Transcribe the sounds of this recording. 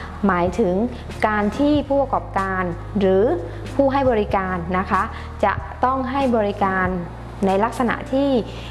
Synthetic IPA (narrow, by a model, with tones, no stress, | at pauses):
maː˩˦jt̪ʰɯ˩˦ŋ | kaː˧nt̪ʰiː˥˩pʰuː˥˩p̚a˧kɔː˨˩p̚kaː˧n | ɾɯː˩˦ | pʰuː˥˩ɦa˥˩jbɔː˧ɾi˦˥kaː˧nːa˦˥kʰa˦˥ | t͡ɕa˨˩ʔt̪ɔ˥˩ŋɦa˥˩jbɔː˧ɾi˦˥kaː˧nː | a˧jla˦˥k̚sa˧na̰˨˩ʔt̪ʰiː˥˩